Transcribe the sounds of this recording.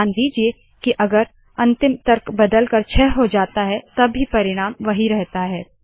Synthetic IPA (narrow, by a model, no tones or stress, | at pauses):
nd̪iːd͡ʒie | kiʔɐɡəɾ | ɐ̃nt̪ɪmt̪ɐɾkbɐd̪əlkɐɾt͡ʃʰɛɦɦod͡ʒaːt̪aɦɛt̪ɐbːipɐɾɪɽ̃aːmʋɐɦiɾɛɦt̪aɦɛː